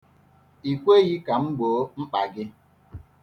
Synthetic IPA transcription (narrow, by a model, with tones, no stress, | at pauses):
i˨kʷe˦ɣi˦ka˨ŋ͡m̩˦ɡ͡boː˨˦ŋ͡m̩˦k͡pa˨ɡɪ˦